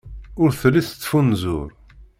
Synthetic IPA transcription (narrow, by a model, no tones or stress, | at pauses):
ʊɾθlːiθət͡sːfunzʊ̰ɾ